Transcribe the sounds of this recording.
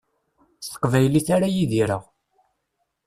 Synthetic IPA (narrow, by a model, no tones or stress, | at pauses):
sə̥qːvæjliθaɾajiðiɾəʁ